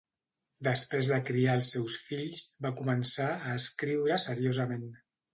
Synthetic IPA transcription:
d̪əspɾezðəkɾiaəlˠsːɛwsfiʎzbakumənsaəːskɾiwɾəsəɾiozəmen

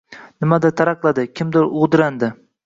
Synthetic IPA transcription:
nɪmad̪at̪ʰaɾɑqlˠad̪ɪkʲʰɪmd̪ɪɾʊʁd̪ɪɾand̪ɪ

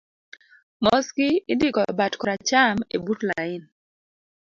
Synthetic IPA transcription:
mɔskɪɪndikɔbatkɔɾat͡ʃamḛbutlaɪn

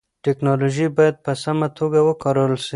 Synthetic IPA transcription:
ʈeknɑloʒibɑjad̪̚pəsamat̪ʰoɡawəkɑɾəwlʃi

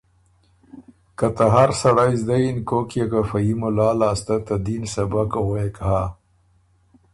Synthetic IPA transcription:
kat̪aɦaɾsaɽajzd̪ajinkokjakafajimʊlaːlaːst̪at̪ad̪insɐbakawoekɦa

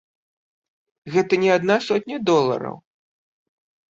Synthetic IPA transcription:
ɣɛt̪ɐnʲɛad̪nasɔt̪̚ʲnʲɐd̪ɔlˠɐ̰ɾɐ̰w

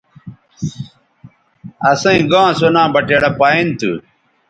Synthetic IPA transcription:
ɐsɐ̃ĩɡãːsonãːbɐʈeːɽɐpaːint̪ṵ

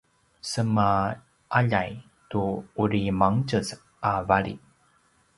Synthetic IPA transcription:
səma | aʎaj | tuuɾimaŋt͡ɕəs | avaɾḭ

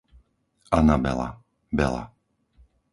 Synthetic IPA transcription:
anabɛ̰la̰ | bɛ̰la̰

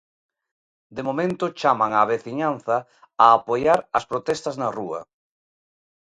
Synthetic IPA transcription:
d̪emomẽnt̪ʊt͡ʃamaŋaβeθiɲanθɐ | aːpojaɾɐspɾot̪ɛst̪ɐznaruɐ̰

